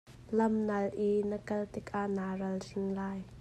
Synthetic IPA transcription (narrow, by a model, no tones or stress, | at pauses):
lɐmnɐlʔinəkɐlt̪ɪkʔaʔnaːrɐlsɪnlaːj